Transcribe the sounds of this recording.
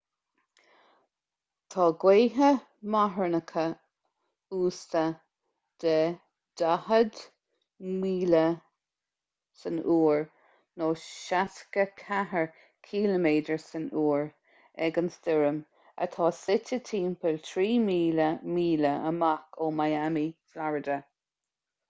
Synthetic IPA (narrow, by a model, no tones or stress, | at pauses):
t̪ʰɑːɡweːɦə | maɦəɹnəkʰə | uːstə | d̪̥ə | d̪̥ahəd̪ | miːlə | sənuːɹ | noːʃatkəkʰaɦəɹ | kʰiːləmeːdəɹsənuːɹ | ɛɡənsd̪ɪɹəm | ə̰t̪ʰɑːsɪtət̪ʰiːmpʰəlt̪ʰɾiːmiːləmiːləə̰makʰoːmajamiflaɹədə